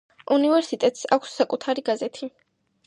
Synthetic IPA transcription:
univɛɾsit̪ʼɛt̪ʼsa̰kʷʰsːakʼut̪ʰaɾiɡazɛt̪ʰi

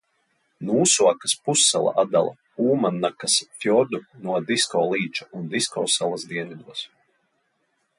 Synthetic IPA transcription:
nuːsuakaspusːa̰lˠa̰ʔad̪a̰lˠa̰ | uːmanːakasfjɔɾd̪unuɔd̪iskɔːlˠiːt͡ʃaund̪iskɔːsalˠasd̪iɛnvʲid̪uɔs

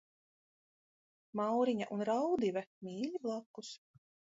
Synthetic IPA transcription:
mawɾiɲaʔunɾawd̪ivɛmʲiːlʲiblˠakːus

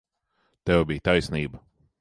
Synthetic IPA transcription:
t̪ɛvbiːt̪ajsniːbə

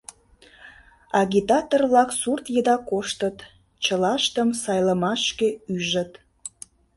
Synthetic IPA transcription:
ɑɣʲit̪ɑt̪orβlɑksurt̪jəd̪ɑkoʃt̪ət̪ | t͡ɕəlɑʃt̪əmsɑjləmɑʃkeyʒət̪

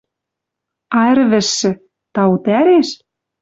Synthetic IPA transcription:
ɑĕɾβɘ̆ʃːɘ̆ | t̪ɑwut̪æɾeʃ

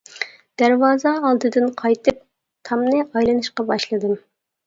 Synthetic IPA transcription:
d̪̥æɾwɑːzɑːlˠd̪ɨd̪ɨnqʰɑjt̪ʰɨp̚ | t̪ʰɑmnɨʔɑjlˠɨnɨʃqɑbɑʃlˠɨd̪ɨm

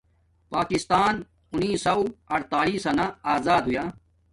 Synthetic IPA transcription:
paːkɪst̪aːn | ʊnːiːsɐwɐɾt̪aːɾiːsɐnaaːzaːd̪ɦʊjaː

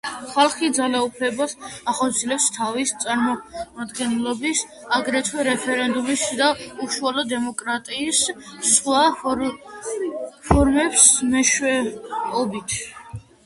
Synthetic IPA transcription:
χalˠχid̪zalaupʰlɛbasaχɔt̪sʰiɛlɛpst̪ʰavist̪sʼaɾmɔad̪ɡɛnlɔbis | aɡɾɛt̪ʰwɛɾɛpʰɛɾɛnd̪umisd̪auʃualɔd̪ɛmɔkʼɾat̪ʼiːsχwa | pʰɔɾmɛpsmɛʃwɛɔbit̪ʰ

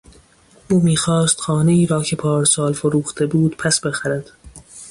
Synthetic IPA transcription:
ʔuːmiːxɒːst̪xɒːne̞iːɾɒːcʰe̞pʰɒːɾsɒːlfoɾuːxt̪ʰe̞buːd̪̥pʰæsbe̞xæɾæd̪̥

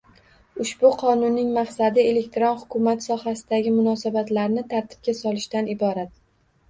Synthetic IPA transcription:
ʊʃbʊqʰɒnʊnːɪŋmaqsad̪ɪe̞le̞k̚ʲt̪ɾonhʊkʲʰʊmat̪sɒhasɪd̪aɡʲɪmʊnɒsabat̪laɾnɪt̪ʰaɾt̪ʰɪ̥p̚kʲasɒlɪʃt̪anɪbɒɾat̪̚

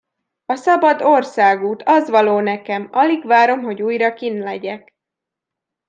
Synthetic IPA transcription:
ɒsɒbɒd̪o̞rsaːɡuːt̪ʰɒzʋɒloːnɛkɛmɒliɡʋaːɾo̞mɦo̞ɟuːjrɒkinlɛɟɛk

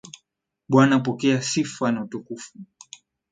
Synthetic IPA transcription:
ɓwanapɔkɛasifanautukufu

